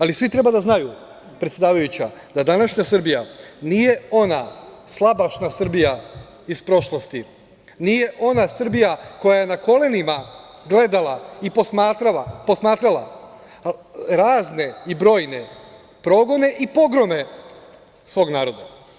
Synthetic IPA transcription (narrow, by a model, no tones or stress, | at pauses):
alisʋit̪ɾe̞bad̪aznaju | pɾet̪sʲed̪aːʋajut͡ɕad̪ad̪anaʃɲasr̩bijanije̞o̞naslˠabaʃnasr̩bija | ispɾo̞ʃlˠo̞st̪i | nije̞ʔo̞nasr̩bijako̞jaje̞nako̞le̞nima | ɡle̞d̪alˠaiposmaːt̪ɾaapo̞smaːt̪ɾala | ɾaːzne̞ibɾo̞ːjne̞ | pɾo̞ɡo̞ne̞ʔipo̞ɡɾo̞me̞ | sʋo̞ːɡnaːɾo̞d̪a̰